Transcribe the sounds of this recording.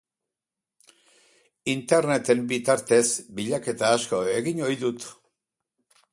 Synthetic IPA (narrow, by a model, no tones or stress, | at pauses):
int̪e̞ɾne̞t̪e̞mbit̪aɾt̪e̞zbiʎake̞t̪aːsko̞e̞ɣiɲo̞jðut̪